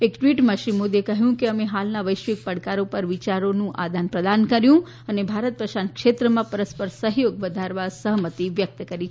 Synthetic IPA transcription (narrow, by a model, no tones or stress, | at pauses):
ekʈʋiʈmãʃɾimod̪iekəɦjũkeəmeɦalnaʋəjʃʋik̚pəɽkaɾopəɾʋɪt͡ʃaɾonũʔa̰d̪ʱanpɾəd̪ankəɾjũ | ənebʱaɾət̪̚pɾəʃankʃet̪ɾəmãpəɾəspəɾsəɦjoɡʋəd̪ʱaɾʋasəɦmət̪iʋjək̚t̪kəɾit͡ʃʰ